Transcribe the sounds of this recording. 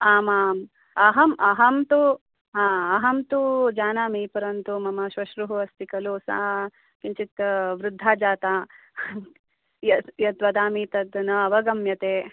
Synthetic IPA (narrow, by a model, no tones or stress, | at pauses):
aːmaːm | ɐɦɐmʔɐɦɐmt̪u | ɦãːɐɦɐmt̪ud͡ʒaːnaːmiːpɐɾɐnt̪umɐmɐʃʋɐʃɾuɦuɐst̪ikɐloːsa̰ː | kiɲt͡ʃit̪ɐʋɾud̪ʱːaːd͡ʒaːt̪aː | jɐjɐt̪ʋɐd̪aːmiːt̪ɐd̪ɐnɐɐʋɐɡɐmjɐt̪eː